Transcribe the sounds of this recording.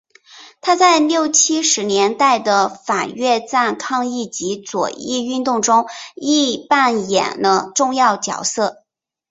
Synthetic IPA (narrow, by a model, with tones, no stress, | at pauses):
t̪ʰa˥t͡sa˥˧ɪljo˥˩ʊt͡ɕʰi˥ʂɻ̩˧˥njɛ˧˥nt̪a˥˩ɪd̪ə˩fa˨˩ɥɛ˥˧t͡sa˥˧nkʰɑ˥˧ŋi˥˩t͡ɕi˧˥t͡swɔ̰˨˩i˥˧y˥˧nt̪ʊ˥˩ŋʈ͡ʂʊ˥ŋi˥˧pa˥˩njɛ̰˨˩nd̪ə˦ʈ͡ʂʊ˥˧ŋjɑ˥˩ʊt͡ɕjɑ̰˨˩ʊsɤ˥˩